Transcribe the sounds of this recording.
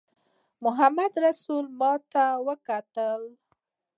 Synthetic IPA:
mʊɦamad̪ɾasulmɑt̪awəkat̪əl

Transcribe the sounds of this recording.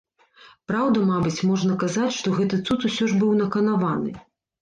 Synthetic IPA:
pɾawd̪ɐmabɨt͡sʲmɔʐnɐkazat͡sʲʂt̪ɔɣɛt̪ɨt̪sut̪usʲɔʐbɨwnɐkɐnavanɨ̰

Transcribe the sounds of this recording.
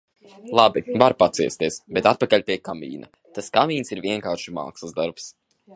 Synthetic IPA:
lˠabivaɾpat̪siɛst̪iɛsbɛt̪at̪̚pakalʲpʲiɛkamḭːna̰ | t̪askamʲiːnsiɾviɛŋkaːɾʃima̰ːkslˠzd̪aɾps

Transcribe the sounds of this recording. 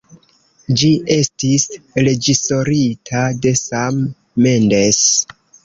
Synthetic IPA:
d͡ʒiʔe̞stisɾe̞d͡ʒiso̞ɾitʰade̞samː | e̞nde̞s

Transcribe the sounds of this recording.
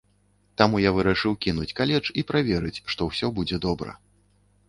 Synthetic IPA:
t̪amujavɨɾaʂɨwkʲinut͡sʲkalʲɛt͡ʂipɾavʲɛɾɨt͡sʲʂt̪ɔwsʲɔbud͡zʲɛd̪ɔbɾɐ̰

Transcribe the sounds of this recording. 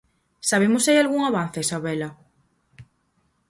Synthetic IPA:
saβ̞emosajalɣuŋaβan̟θesaβɛla

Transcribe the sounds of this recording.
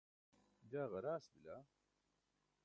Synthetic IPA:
d͡ʒaːɣɐɾaːsbila

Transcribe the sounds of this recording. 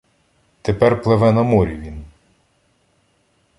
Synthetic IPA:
t̪epɛrplˠeʋɛnɐmɔɾʲiʋʲin

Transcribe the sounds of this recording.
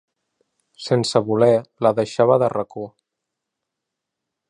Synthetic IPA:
sensəβulɛləðəʃaβəðərəko

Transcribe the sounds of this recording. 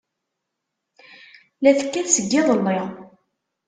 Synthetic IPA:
læθəkːæθsəɡːɪðˤəlːɪʁ

